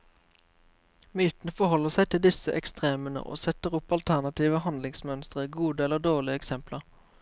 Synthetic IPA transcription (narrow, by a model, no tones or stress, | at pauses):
myːt̪n̩əfɔhɔlːəʁsæɪt̪ʰɪld̪ɪsəʔɛkst̪ʁeːmənə̰ʔo̰ːsɛt̪əʁʊpɑlt̪ʰæʁnɑt̪iːʋəhɑnd̪lɪŋsmœnst̪ʁəɡuːd̪əɛlːəd̪oːʁɭɪəɛksɛmpləʁ